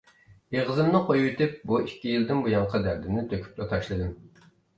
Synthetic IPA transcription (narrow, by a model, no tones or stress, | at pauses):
eʁəzɨmnɨqʰojwet̪ʰɪp̚buikʲːijilˠd̪ɪnbujɑŋqʰɑd̪æɾd̪ɪnɪt̪ʰøkʲʰy̥plɛt̪ʰɑʃlˠɨd̪ɪm